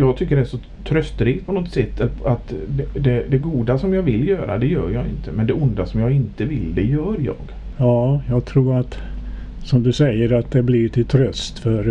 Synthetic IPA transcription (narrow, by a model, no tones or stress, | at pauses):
jɑːɡ̚t̪ʰʏkːəɖɛæʂɔ | t̪ʰɾœst̪ɾiːt̪̚pʰɔnɔt̪sɛt̪ːɛlat̪d̪ɛd̪ɛd̪ɛɡuːd̪asɔmjɑːvɪlːjœːɾa̰d̪ɛjœ̰ːɾjɑːɪ̰nt̪ʰəmɛnd̪ɛʊnd̪asɔmjɑːɡɪnt̪əvɪlːd̪ɛjœːɾjɑ̰ːɡ | jɑːjɑːɡt̪ʰɾuːɾat̪ | sɔmd̪ɵsɛjəɾat̪̚d̪ɛblɪʈʰɪlt̪ʰɾœst̪fœɾ